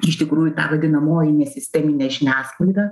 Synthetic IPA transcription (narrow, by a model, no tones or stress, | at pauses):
ɪʃt̪ʲɪkɾuːjʊt̪ɑ̰ʋɐd̪ʲɪnɐmoːjɛnʲɛsʲɪsʲt̪ʲɛmʲɪnʲɛʒʲɪnʲæːsklˠɐɪd̪ɑː